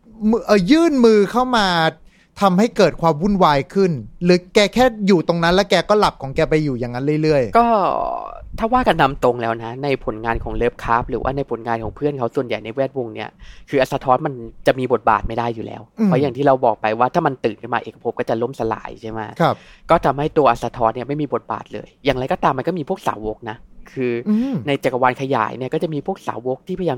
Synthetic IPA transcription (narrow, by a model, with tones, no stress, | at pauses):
m˧ʔəː˨˩jɯː˥˩nmɯː˧kʰa˥˩wmaː˧ | t̪ʰa˧mha˥˩jkɤː˨˩t̪̚kʰwaː˧mwu˥˩nwaː˧jkʰɯ˥˩nlɯː˨˦kɛː˧kʰɛː˥˩juː˨˩t̪o˧ŋna˦˥nlɛː˦˥wkɛː˧kɔː˥˩la˨˩p̚kʰɔː˩˦ŋkɛː˧pa˧jːuː˨˩jaː˨˩ŋa˦˥nlɯ˥˩jlɯ˥˩əjkɔː˥˩ | t̪ʰaː˥˩waː˥˩ka˧nːa˧mt̪o˧ŋlɛː˦˥wna˦˥na˧jpʰo˨˩˦nŋaː˧nkʰɔː˩˦ŋlɤː˦˥p̚kʰaː˦˥p̚ɾɯː˩˦wa̰ː˥˩na˧jpʰo˩˦nŋaː˧nkʰɔː˩˦ŋpʰɯ˥˩ənkʰa˦˥wsu˨˩ənja˨˩jna˧jwɛː˥˩t̪̚wo˧ŋni˦˥ɐkʰɯː˧ʔa˨˩t̚sa˧t̪ʰɔː˦˥nma˧nt͡ɕa˨˩ʔmiː˧bo˨˩t̪̚ba̰ː˨˩t̪̚ma˥˩jdaː˥˩jːuː˨˩lɛ̰ː˦˥wpʰɔː˦˥jaː˨˩t̪ʰiː˥˩ɾa˧wbɔː˨˩k̚pa˧jwaː˥˩aː˥˩ma˧nt̪ɯː˨˩nkʰa˥˩maː˧ʔeː˨˩ka˧pʰo˦p̚kɔː˥˩t͡ɕa˨˩lo˥˩msa˧la̰ː˩˦jt͡ɕʰa˥˩jmaː˦˧˩a˧pkɔː˥˩t̪ʰa˧mha˥˩jt̪u˧ɐʔa˨˩sa˧t̪ʰɔː˦˥nni˥˩ɐma˥˩jmiː˧bo˨˩t̪̚ba̰ː˨˩t̪̚lɤ̰ː˧jːaː˨˩ŋɾa˧jkɔː˥˩t̪aː˧ma˧nkɔ˥˩miː˧pʰu˥˩ək̚sa̰ː˩˦wo˦˥k̚na˦˥kʰɯː˧na˧jt͡ɕe˨˩kːa˧waː˧nkʰa˧ja̰ː˨˩˦jni˥˩ɐkɔː˥˩t͡ɕa˨˩miː˧pʰu˥˩ək̚sa̰ː˩˦wo˦˥k̚t̪ʰiː˥˩pʰa˧jaː˧